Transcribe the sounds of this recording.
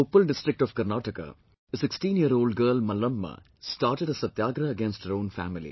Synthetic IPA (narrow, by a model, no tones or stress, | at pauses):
opːəlɖɪsʈɾɪk̚ʈɔːʋkɐɾnaːʈəka̰ | əsɪksʈĩːnjiəɾoːlɖɡəːlmɐlɐmːɐ̰ | sʈaːɾʈeɖəsɐt̪jaːɡɾɐːɡẽnsʈhəɾõːnfæ̰ːmɪlḭ